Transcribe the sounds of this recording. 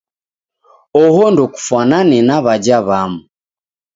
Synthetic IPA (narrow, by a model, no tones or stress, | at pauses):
ɔhɔndɔku̥fwananɛnaβad͡ʒaβamu